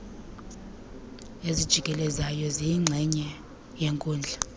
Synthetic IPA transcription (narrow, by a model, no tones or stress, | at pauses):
ezid̥ʒ̥ʱiɡ̥ʱʼɛlɛzajɔziŋ͡ǁʱɛɲɛ | jɛŋkʼuːnd͡ɮʱa